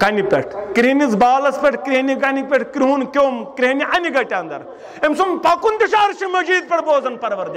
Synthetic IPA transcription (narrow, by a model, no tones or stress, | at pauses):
kɐnipʲḛʈʰkɾiɦnit͡sbaːlɐspʲeʈʰkɾiniɡɐnipʲeʈʰkɾiɦunkʲoːmkɾiɦɐniʔɐniɡɐʈʲaːnd̪ɐ̰ɾ | emsumpɐkund̪iʃaːɾʃimɐd͡ʒiːd̪̚pʲɐʈboːzɐnpɐɾʋɐɾd̪i